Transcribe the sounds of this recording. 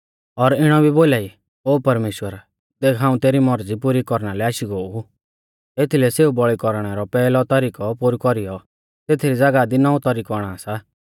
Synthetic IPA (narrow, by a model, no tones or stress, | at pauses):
ɔɾɪɽ̃ɔbʱiboːlaːi | oːpɐɾmeːʃwəɾ | d̪eːkʰaːũt̪eːɾimɔɾd͡zipuɾikɔɾɽ̃alɛaːʃiɡoːu | et̪ʰilɛseːubɔɭikɔɾɽ̃ɛɾɔpɛːlɔt̪ɔɾiːkɔpuɾikɔɾijɔ | t̪eːt̪ʰiɾid͡zaɡad̪inɔũt̪ɔɾikɔaɽ̃aːsa